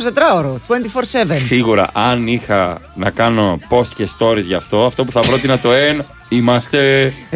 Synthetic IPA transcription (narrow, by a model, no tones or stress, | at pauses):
zðet̪ɾɐoɾot̪uent̪ifoɾsevesniɣuɾɐ̰ʔɐnixɐnɐkɐno̞po̞st̪cest̪o̞ɾizʝɐft̪o̞ɐft̪o̞puθɐpvɾot̪inɐt̪o̞en | imɐst̪e̞